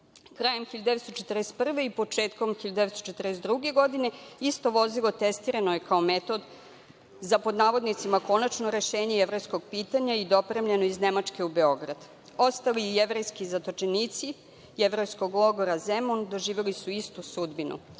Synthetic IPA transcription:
kɾaːje̞mxiʎd̪eet̪st̪ot͡ʃet̪rest̪̚pr̩ʋe̞ipo̞t͡ʃe̞ːt̪ko̞mxiʎd̪et̪st̪ot͡ʃet̪rɾest̪d̪ɾuɡe̞ɡo̞d̪ine̞ist̪o̞ʋo̞zilˠo̞t̪est̪iɾanojekao̞met̪o̞d̪ | zapod̪naːʋo̞d̪nit̪simako̞nat͡ʃno̞ɾe̞ʃe̞ːɲejeʋɾo̞jsko̞ɡ̚piːt̪aɲaid̪o̞pɾe̞mʎeno̞izne̞mat͡ʃke̞ube̞o̞ɡɾa̰d̪̥ | o̞st̪alieʋɾejskizat̪o̞t͡ʃeniːt̪si | eʋɾojsko̞ɡlˠo̞ɡo̞ɾazemond̪o̞ʒiːʋe̞lisuist̪usud̪binṵ

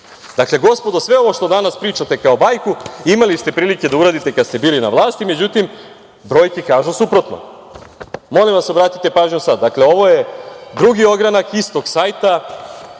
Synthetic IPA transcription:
d̪akle̞ɡo̞spo̞d̪osʋe̞o̞ʋo̞ʃt̪o̞d̪anaspɾiːt͡ʃat̪e̞kao̞bajkuimalist̪e̞pɾiːlike̞d̪auɾaːd̪it̪e̞kad̪st̪e̞biːlina̰ʋlˠaːst̪ime̞d͡ʑut̪im | bɾo̞jkikaːʒusupɾot̪no̰ | mo̞limʋaso̞bɾaːt̪i̥t̪e̞paːʒɲusad̪̚d̪akle̞o̞ʋo̞je̞d̪ɾuɡio̞ɡɾanakist̪o̞ɡsaːjt̪a

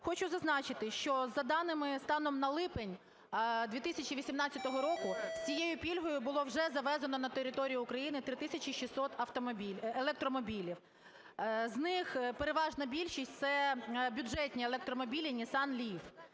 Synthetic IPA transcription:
xɔt͡ʃʊzɐznɑt͡ʃɪt̪ɪʃt͡ʃɔzɐd̪ɑnɪmɪst̪ɑnɔmnɐlˠɪpenʲ | d̪ʲʋʲit̪ɪsʲɐt͡ʃiʋʲisʲimnɑtt͡sʲːɐt̪ɔɦɔɾɔkʊsʲt͡sʲijejʊpʲilʲɦɔjʊbʊlˠɔwʒɛzɐʋɛzɐnɔnɐt̪eɾʲɪt̪ɔɾʲijʊːkɾɐjinɪt̪ɾɪt̪ɪsʲɐt͡ʃʲiʃisɔt̪ɐft̪ɔmbʲielˠɛk̚t̪ɾɔmɔbʲilʲiw | znɪxpeɾeʋɑʒnɐbʲilʲʃisʲtʲt̪sɛbʲʊdʒɛtʲnʲielˠek̚t̪ɾɔmɔbʲilʲɪnʲisɑnlʲif

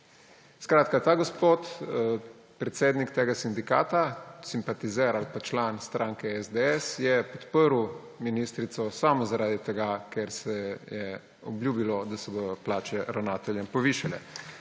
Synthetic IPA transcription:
skɾaːt̪kat̪aːɡospot̪ | pɾɛt̪seːd̪nikt̪eːɡasind̪ikaːt̪asimpat̪izɛɾalpat͡ʃlanst̪ɾʔaːŋkɛɛzd̪ɛɛsjɛpɔt̪pəɾuw | minist̪ɾit̪sɔsaːmɔzaɾaːd̪it̪ɛɡakɛɾsɛjɛ | ɔblʲjuːbilɔd̪asɛbod̪ɔplaːt͡ʃɛɾawnaːt̪ɛljɛmpɔʋiʃalɛ̰

